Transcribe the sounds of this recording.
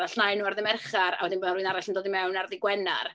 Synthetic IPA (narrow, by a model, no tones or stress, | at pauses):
aɬnajnuːarðɪmɛrχaɾa̰wɛdɪnboːnariːnaɾaɬəndoːdimɛwnarðɪɡwɛna̰r